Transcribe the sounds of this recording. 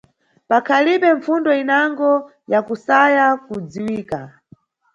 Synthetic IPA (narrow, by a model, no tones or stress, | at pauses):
pakʰalipɛɱfundɔinaŋɡɔ | jakusajakud͡ziwiːka